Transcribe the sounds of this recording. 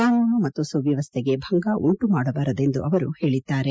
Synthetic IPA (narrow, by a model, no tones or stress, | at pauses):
kaːnuːɳɐmɐt̪ːusɐʋjɐʋɐst̪ʰeɡe̞bʱɐŋɡaʔuɳʈumaːɽɐbaːɾɐd̪e̞nd̪uʔɐʋɐɾuhe̞ːɭid̪ːaːɾe̞